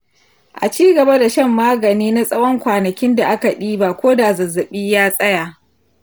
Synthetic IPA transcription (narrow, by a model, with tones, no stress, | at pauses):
ʔa̰˨t͡ʃiː˦ɡɐ˨ba˦da˨ʃɐ˦mːaː˦ɡɐ˨niː˦na˦sʼɐ˦wɔ˦ŋkʷaː˨nɐ˨kʲɪ˦nda˨ʔa˦ka˨ɗiː˦ba˦kʷoː˦da˨zɐ˨zːɐ˨ɓiː˦jaː˦sʼɐ˦ja˨